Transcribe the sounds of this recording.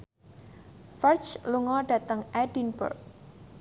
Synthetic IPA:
fərt͡ʃluŋɔɖä̤t̪əŋɛdinbə̰rk̚

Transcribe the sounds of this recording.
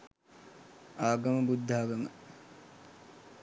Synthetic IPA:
aːɡɐməbud̪ʱːaaɡɐmə

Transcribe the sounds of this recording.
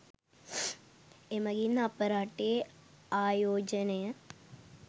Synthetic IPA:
emɐɡinapɐɾaːʈe | aːjoːd͡ʒɐnejɐ

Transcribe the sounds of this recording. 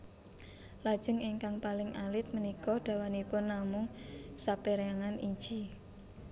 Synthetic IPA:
lad̥ʒ̥ə̤ŋɪŋkaŋpalɪŋʔalɪt̪̚mənikɔɖ̪̥a̤wanipʊnːamʊŋsapeɾaŋaniɲd͡ʒi

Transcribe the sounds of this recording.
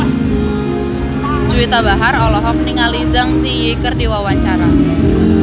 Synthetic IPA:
d͡ʒ̥uet̪abaɦaɾɔlɔɦɔk̚niŋalizaŋsijekərdiwawaɲt͡ʃaɾa

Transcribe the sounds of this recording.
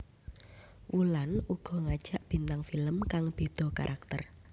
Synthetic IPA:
wulanuɡ̥ɔ̤ŋad̥ʒ̥a̤ʔb̥i̤nt̪aŋfiləmkaŋb̥e̤d̪̥ɔ̤ka̰ɾʔak̚t̪ə̰r

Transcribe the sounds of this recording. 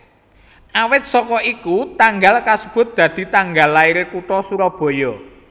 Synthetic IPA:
ʔawɪt̪̚sɔkɔʔikut̪aŋɡalkasəb̥ʊ̤t̪̚d̪̥ä̤d̪̥i̤t̪aŋɡalːaiɾekuʈɔsuɾɔb̥ɔ̤jɔ

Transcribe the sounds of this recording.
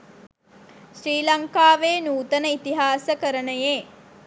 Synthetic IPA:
ʃɾiːlɐŋkaːʋeːnuːt̪ənəit̪iɦaːsəkəɾənəjeː

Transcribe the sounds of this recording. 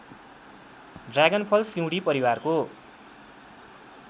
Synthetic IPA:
ɖraɡʌnpʰʌlsiw̃ɽipʌɾiwarko

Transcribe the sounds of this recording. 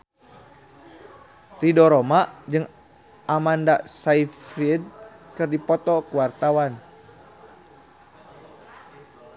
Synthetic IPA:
t̪idɔɾɔmad͡ʒɨŋ | amandasaifɾid̚kɨrdipɔt̪ɔkuwart̪awan

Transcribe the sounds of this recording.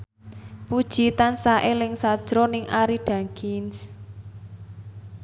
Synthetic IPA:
pud̥ʒ̥it̪ansaʔelɪŋsad̥ʒ̥ɾɔnɪŋʔaɾiɖ̥a̤ŋkɪns

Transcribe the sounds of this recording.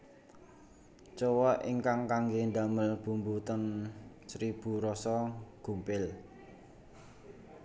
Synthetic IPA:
t͡ʃɔwɔʔʔiŋkaŋkaŋɡend̪aməlb̥umbut̪ən | sɾib̥ṳɾɔsɔɡ̥ṳmpɪl

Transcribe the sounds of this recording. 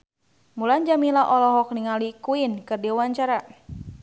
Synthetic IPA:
muland͡ʒamilaʔɔlɔɦɔk̚niŋalikuinkɨrdiwaɲt͡ʃaɾa

